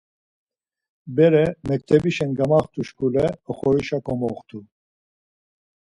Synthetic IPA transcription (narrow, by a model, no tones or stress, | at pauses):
bɛɾɛmɛk̚t̪ʰɛbiʃɛnɡamaχt̪ʰuʃkʰulɛəχɔɾiʃakʰɔmɔχt̪ʰu